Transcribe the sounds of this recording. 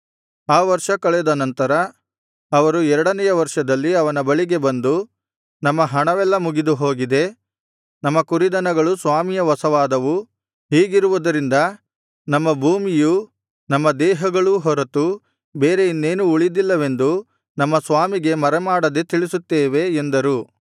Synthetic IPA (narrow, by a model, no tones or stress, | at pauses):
aːʋɐɾʂɐkɐɭɛd̪ɐnɐnt̪ɐɾɐː | ʋɐɾuɛɾɐɽɐnɛjɐʋɐɾʂɐd̪ɐlːiɐʋɐnɐbɐɭiɡe̞bɐnd̪u | nɐmːɐɦɐɳɐʋɛlːɐmuɡid̪uɦo̞ːɡid̪e̞ | nɐmːɐkuɾid̪ɐnɐɡɐɭusʋaːmijɐʋɐsɐʋaːd̪ɐʋu | ɦiːɡiɾuʋud̪ɐɾind̪ɐ | nɐmːɐbʱuːmiju | nɐmːɐd̪ɛːɦɐɡɐɭuɦɔɾɐt̪u | beːɾe̞inːe̞ːnuːɭid̪ilːɐʋe̞nd̪u | nɐmːɐsʋaːmiɡe̞mɐɾɛmaːɽɐd̪et̪iɭisut̪ːeːʋe̞ːnd̪ɐɾu